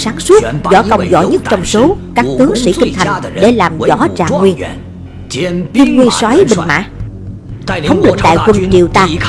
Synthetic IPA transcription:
saː˨˦ŋsu˦˥t̚zɔ̰˧˩˦kə˧wŋ͡mzɔ̰˧˩ɲə˦˥t̚t͡ɕɔ˧wŋ͡mso˨˦kaː˦˥k̚t̪ɨ˨˦əŋsḭ˧˩kï˧ŋ̟t̪ʰa˨˩jŋɗe˧˩laː˨˩mzɔ̰˧˥t͡ɕa̰ː˧˩ŋwi˧ə | t̪i˧nŋwi˧ənswa˨˦jɓi˧˩ŋma̰ː˧˥ | ə˨˦wŋ͡mlɨ˨˩k̟̚ɗ̪a̰ː˧˨jkə˧nt͡ɕḭ˨˧˨əwt̪aː˧

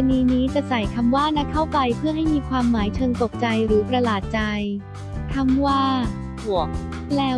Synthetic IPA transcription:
niː˧niː˦˥t͡ɕa˨˩sa˨˩jkʰa˧mwaː˥˩na˦˥kʰa˥˩wpa˧jpʰɯ˥˩ɐɦa˥˩jmiː˧kʰwaː˧mːaː˩˦jt͡ɕʰɤː˧ŋt̪o˨˩k̚t͡ɕa˧jɾɯː˩˦pɾa˧laː˨˩t̪̚t͡ɕa˧j | kʰa˥˩mwaː˥˩ | hu˨˩ək̚ | lɛː˦˥

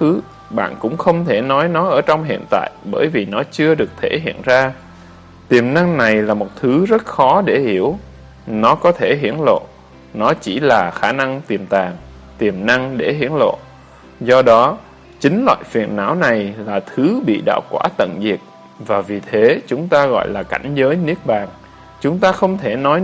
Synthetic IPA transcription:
ɨ˨˦ | ɓa̰ː˧˨nkʊ̰˧˥ŋ͡mxə˧wŋ͡mt̪ʰe˧˩nɔ˨˦jnɔ˨˦ʔəː˧˩t͡ɕɔ˧wŋ͡mɦḭ˧˨ənt̪a̰ː˧˨jɓəː˧˩jvi˨˩nɔ˨˦t͡ɕɨ˧əɗɨ˨˩ək̚t̪ʰe˧˩ɦḭ˧˨ənzaː˧ | t̪i˨˩əmna˧ŋna˨˩jlaː˨˩mo˨˩t̚t̪ʰɨ˨˦zə˦˥t̚xɔ˨˦ɗe˧˩hi˧˩əw | nɔ˨˦kɔ˨˦t̪ʰe˧˩ɦi˧˥ənlo̰˧˨ | nɔ˨˦t͡ɕi˧˩laː˨˩xaː˧˩na˧ŋt̪i˨˩əmt̪aː˨˩ŋ | t̪i˨˩əmna˧ŋɗe˧˩ɦi˧˥ənlo̰˧˨ | zɔ˧ɗɔ˨˦ | t͡ɕï˨˦ŋ̟lwa̰ː˧˨jfi˨˩ənːa̰ː˧˥wna˨˩jlaː˨˩t̪ʰɨ˨˦ɓḭ˧˨ɗa̰ː˧˨wkwaː˧˩t̪ə̰˧˨nzi˨˩ək̚ | vaː˨˩vi˨˩t̪ʰe˨˦t͡ɕʊ˨˦ŋ͡mt̪aː˧ɣɔ̰˧˨jlaː˨˩ka̰˧˩jŋ̟zəː˨˦jni˦˥ək̚ɓaː˨˩ŋ | t͡ɕʊ˨˦ŋ͡mt̪aː˧xə˧wŋ͡mt̪ʰe˧˩nɔ˨˦j

